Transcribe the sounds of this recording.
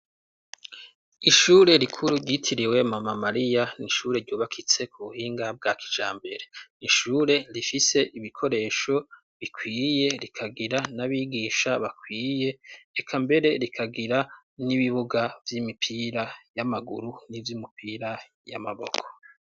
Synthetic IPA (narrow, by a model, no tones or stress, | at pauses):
iʃuɾe̞ɾikʰuɾuɾɟitʰiɾiwe̞mamamaɾijaniʃuːɾe̞ɾɟoːβakʰit͡se̞kʰuβuhiːŋɡab̚ɡakʰi̥d͡ʒaːmbe̞ɾe̞niʃuːɾe̞ɾifise̞ʔiβikʰo̞ɾe̞ʃo̞ | βikʰwiːje̞ɾikʰaɡiɾanaβiːɡiːʃaβakʰwiːje̞ːkʰambe̞ɾe̞ɾikʰaɡiɾa | niβiβuɡavjimipʰiːɾajamaɡṵɾunivjumupʰiːɾa | ja̰ma̰βo̞̰kʰo̥